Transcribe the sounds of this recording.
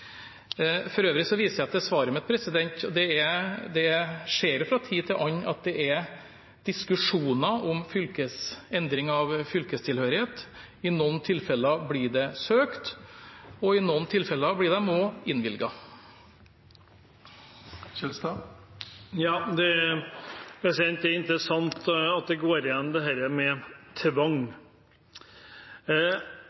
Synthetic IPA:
fɔɾøːʋɾɪsɔʋiːsəjæɑt̪̚d̪ɛsʋɑːɾəmɛt̪̚pʰɾɛsɪd̪ɛnt̪ɔd̪ɛɛd̪ɛʂeːɾjʊfɾɑt̪ʰiːt̪ʰɪlʔɑɲːɑ̰t̪̚d̪ɛʔɛɾ | d̪̥ɪskʉʂuːnɑʔɔmfʏlkəsɛnd̪ɾɪŋɑʋfʏlkəst̪ʰɪlhøːɾɪheːt̪ | ɪnɔnt̪ʰɪlfɛlɑblɪɖɛsøːkt̪ | ɔɪnɔnt̪ʰɪlfɛlːəɑblɪɖ̪ɛmoːɪnʋɪlɡɑ | ɕɛlst̪ɑ | jɑːd̪ɛ | ɛsɛɾɪnt̪ɛɪnt̪ɾəsɑŋt̪ɑt̪̚d̪ɛɡoːɾɪjɛnːmd̪ɛhæːɾəmɛt̪ʰʋɑŋ

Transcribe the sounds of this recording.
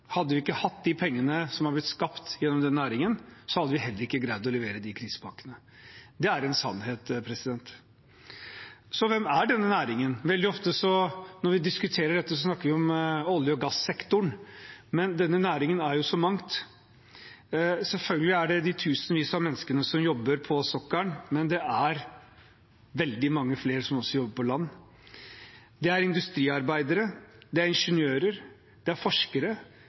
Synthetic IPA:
hɑd̪ːəʋɪɪkːəhɑt̪ːd̪ɪpʰɛŋːənəsɔmhɑɾblɪt̪skɑpt̪jɛnːɔmd̪ɛnːæːɾɪŋənsɔhɑd̪ːəʋɪɦɛlːəɾɪkːəɡɾæɪd̪ɔlɛʋeːɾəd̪ɪkʰɾiːsə̥pʰɑŋkənə | d̪ɛæɾɛnsɑ̰nːheːt̪pʰɾɛsɪd̪ɛnt̪ | sɔʋɛmæɖɛnːənæːɾɪŋənʋɛld̪ɪɔft̪əsɔnɔɾʋɪd̪ɪskʉt̪ʰeːɾəɖɛt̪ːəsɔsnɑkːəɾʋɪɔmɔljəɔɡɑsːɛkt̪ʊɳmɛnd̪ɛnːənæːɾɪŋənæɾjʊsɔmɑŋt̪ | sɛlfœlɡəlɪæɖɛd̪ɪt̪ʰʉːsənʋiːsɑmɛnːskənəsɔmjɔbːəɾpʰɔsɔkːəɳmɛnd̪ɛʔæɾ | ʋɛld̪ɪmɑŋːəfleːɾsɔmɔsːɔjɔbːəɾpʰɔlɑnː | d̪ɛæɾɪnd̪ʉst̪ɾiːɑɾbæɪd̪əɾəd̪ɛæɾɪnʂənjøːɾəɾ | d̪̥ɛæɾfɔʂkəɾə

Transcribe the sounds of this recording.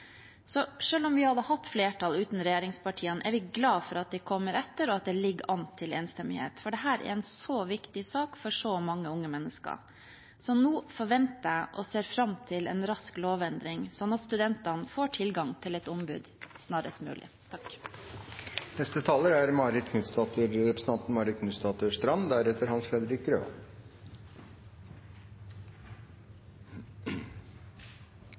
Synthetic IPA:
sɔʂøːlɔmʋɪhɑd̪əhɑt̪ːfleːʈʰɑlʉːt̪nɾɛjeːɾɪŋspɑʈʰiːənʔæɾʋɪɡlɑːfɔɾɑt̪̚d̪ɛkʰɔmːəɾɛt̪ːəɾɔɑt̪̚d̪ɛlɪɡːəʔɑnt̪ʰːɪlḛːnst̪ɛmɪhḛːt̪fɔɖɛɦæːɾʔɛ̰ɾɛnsoʋɪkt̪ɪsɑːkfɔʂɔmɑŋːəʊŋːəmɛnːəskə̰ɾ | sɔnuːfɔɾʋɛnt̪æʔɔseːɾfɾɑmt̪ʰɪlɛ̰nɾɑskloːʋɛnd̪ɾɪŋsɔnɑt̪st̪ʉd̪ɛnt̪ɑnəfoːʈʰɪlɡɑŋt̪ʰɪlɛt̪ʊmbʉ̰ːd̪snɑːɾəst̪mʉ̰ːlʔɪ̰ | t̪ʰɑk | nɛst̪ət̪ʰɑːləɾæɾmɑːɾɪt̪kʰnʉst̪ɑːt̪əɾɾɛpɾsn̩t̪ʰɑnt̪n̩mɑːɾɪt̪kʰnʉːst̪ɑːt̪əʂt̪ɾɑnd̪æɾɛt̪əɾhɑnsfɾɛd̪əɾɪk̪̚ɾø̰ːʋɑ̰l

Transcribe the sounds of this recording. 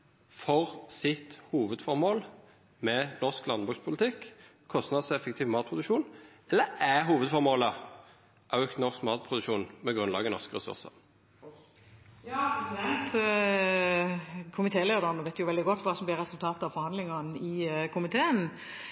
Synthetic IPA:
fɔʁsɪt̪huːʋəd̪fɔɾmoːl | mɛnɔʁsklɑnbʉːkspʰʊlɪt̪ʰɪkː | kʰːɔst̪nɑd̪sɛfəkt̪ʰiːʋmɑːt̪̚pʰʁʊd̪ʉkʃuːn | ɛlːəæɦuːʋəd̪fɔʁmoːlə | ʔɑʉk̪nɔʁskmɑːt̪̚pʰʁʊd̪ʉkʃuːnmɛɡʁʉnlɑ̰ːɡənɔ̰ʁskəʁɛsʉ̰ʁsə̰ʁ | jɑːsɛnt̪ | kʰʊmɪt̪ʰeːleːd̪əʁnɔʋɛɪt̪ːjʊʋɛld̪ɪɡɔt̪ːʋɑːsɔmb̪lɪɾɛsʉlt̪ʰɑːt̪əɑʋfɔɾhɑnd̪lɪŋɑnɪkʰʊmɪt̪ʰeːən

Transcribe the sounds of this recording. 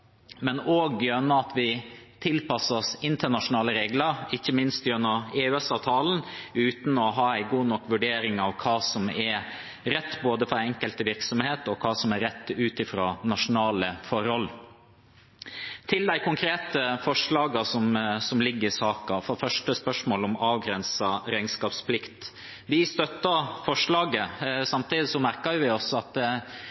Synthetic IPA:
mɛnoːɡjœnːəɑt̪ʰʋɪt̪ʰɪlpɑsːɔsɪnt̪əɳɑʂʊnɑːləɾeːɡlɑɾɪçːəmɪnst̪jœnːɑeːʉɛsɑːʋt̪ʰɑːln̩ʉːt̪nɔɦɑːæɪɡuːnɔkːʋʉɖeːɾɪŋɑʋkʰɑːsɔmɛɾ | ɾɛt̪ːboːd̪əfɔɾɛŋkəlt̪əʋɪɾksɔmheːt̪ɔkʰɑːsɔmæɾɛt̪ːʉːt̪ɪfɾɑ̰ːnɑʂʊnɑːləfɔɾhɔl | t̪ʰɪld̪æɪkʰʊŋkʰɾeːt̪əfɔʂɭɑːɡɑsɔmsɔmlɪɡːəɾɪsɑːkɑfɔɾfœʂʈəspœʂmoːlɔmɑːʋɡɾɛnsɑɾæɪnskɑːpspʰlɪkt̪ | ʋɪst̪œt̪ːəfɔʂɭɑːɡəsɑmt̪iːd̪ɪsɔmæɾkɑjʊʋɪɔsɔɑt̪

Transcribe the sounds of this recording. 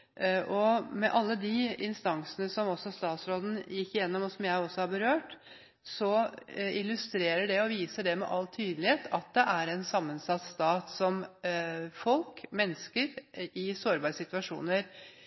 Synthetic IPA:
ʔɔmɛʔɑlːəd̪ɪɪnst̪ɑŋsənəsɔmɔsɔst̪ɑːt̪sɾoːd̪n̩jɪkːɪjɛnːɔmɔsɔmjæɪɔsːɔhɑɾbəɾøːʈ | sɔɪlʉst̪ɾeːɾəɖɛɔʋiːsəɖɛmɛ̰ʔɑlt̪ʰːyːd̪lɪheːt̪ʰɑt̪̚d̪ɛʔæɾɛnsɑmːənsɑt̪st̪ɑːt̪sɔm | fɔlkmɛnːəskəɾɪsoːɾbɑsɪt̪ʋɑʂṵːnəɾ

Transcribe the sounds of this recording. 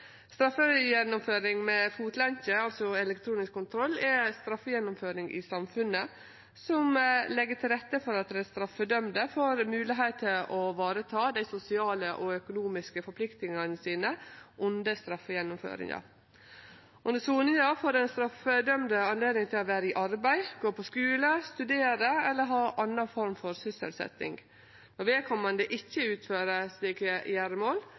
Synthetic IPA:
st̪ɾɑfːəjɛnːʊmføːɾɪŋmɛfuːt̪lɛnçəɑlsɔɛlɛkt̪ʰɾuːnɪskʰːʊnt̪ʰɾɔlːɛst̪ɾɑfːəjɛnːʊmføːɾɪŋʔɪ̰sɑmfʉnːə | sɔmlɛɡːəʈʰɪlɾɛt̪ːəfɔɾɑt̪̚d̪ɛɛst̪ɾɑfːəd̪œmd̪əfoːɾmʉːlɪɦeːt̪ʰːəʔɔʋɑːɾət̪ʰɑːd̪æɪsʊsɪɑːləʔɔœkʊnuːmɪskəfɔɾpʰlɪkt̪nɪŋɑnəsiːnəʔʊnd̪əst̪ɾɑfːəjɛnːʊmfø̰ːɾɪ̰ŋɑ̰ɾ | ʔʊnd̪əsuːnəjɑːfoːɾɛnst̪ɾɑfəd̪œmd̪əɑnleːd̪nɪŋt̪ʰɪlɔʋæːɾəɪʔɑɾbæɪɡ̥oːpʰɔskʉːləst̪ʉd̪eːɾəɛlːəɾɦɑːʔɑnːɑfɔɾmfɔɾsʏsə̰lsɛ̰t̪ːɪ̰ŋɡ | nɔʋeːkʰɑnmɑnd̪ɛːʔɪçːəʉːt̪føːɾəsliːkəjæɾəmoːl

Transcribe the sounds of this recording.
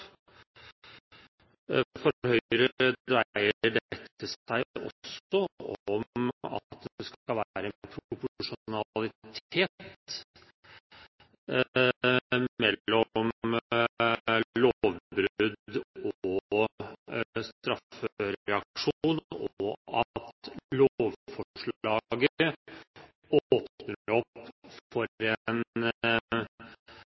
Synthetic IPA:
fɔhœʏɾəd̪ɾæɪəəɖɛkt̪ːəsæɪɔ̰sɔɔmɑ̰t̪̚d̪d̪ɛskkɑʋæːɾəɛpʰɾʊpʊʊʂʊnɑlɪt̪ʰeːt̪ | mɛlːɔm | loʋbɾʉd̪ɔ | st̪ɾɑføøɾɾɛɑkʂuːnɔɑ̰t̪loʋfɔʂɭɑːɡə | oːpnəɾɔpfɔɾɛn

